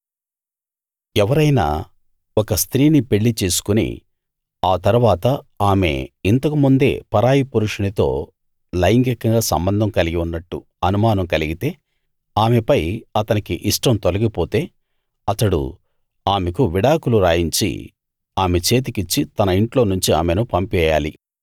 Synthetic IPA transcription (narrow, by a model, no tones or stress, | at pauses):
ɛʋɐɾɐjna̰ː | ɔkɐst̪ɾiːnipe̞ɭːit͡ʃe̞ːsu̥kunḭ | aːt̪ɐɾuʋaːt̪ɐaːme̞̰int̪ɐkumund̪e̞̰ːpɐɾaːjipuɾuʂɐnit̪o̞̰ː | lɐjŋkɐkːɐŋɡaːsɐ̰mbɐnd̪ʱɐmkɐliɡiunːɐʈːṵ | ɐnumaːnɐmkɐliɡit̪e̞ː | aːme̞pɐjɐt̪ɐnikḭʔiʂʈɐmt̪olɐɡipoːt̪e̞ː | ɐt̪ɐɽṵ | aːme̞kuʋiɽaːkuluɾaːjiɲt͡ʃḭ | aːme̞t͡ʃe̞ːt̪̬ikit͡ʃːit̪ɐnɐiɳʈlo̞ːnuɲt͡ʃia̰ːmenupɐmpɛːja̰ːli